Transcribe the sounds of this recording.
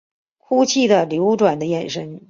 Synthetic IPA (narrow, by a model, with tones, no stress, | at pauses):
kʰu˥t͡ɕʰi˥˩d̪ə˩ljo˧˥ʊʈ͡ʂwa˨˩nd̪ə˦jɛ˨˩nʂə˥n